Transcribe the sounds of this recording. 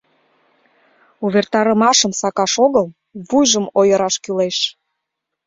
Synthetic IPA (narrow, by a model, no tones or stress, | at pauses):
uβert̪ɑɾəmɑʃəmsɑkɑʃoɣəl | βujʒəmojəɾɑʃkyleʃ